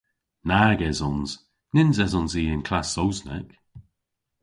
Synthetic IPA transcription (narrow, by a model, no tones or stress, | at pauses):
naːɡɛzɔnz̥ | nɪnzɛzɔnziːɪnkʰl̥asowznɛ̰k